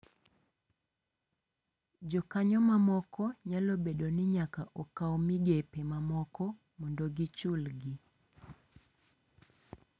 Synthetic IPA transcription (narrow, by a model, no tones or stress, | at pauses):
d͡ʒɔkaɲɔmamɔkɔɲalobeɗonɪɲakaʔɔkawɔmiɡepemamɔkɔ | mɔndoɡit͡ʃulɡi